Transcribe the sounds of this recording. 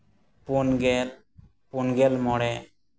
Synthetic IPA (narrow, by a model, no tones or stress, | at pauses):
punɡɛl | punɡɛlmɔɽɛ